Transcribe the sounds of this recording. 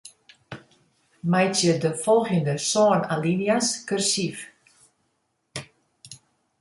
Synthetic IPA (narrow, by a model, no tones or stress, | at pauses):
majtjədəfɔlˠxjəndəsɔːnalinijaskørsif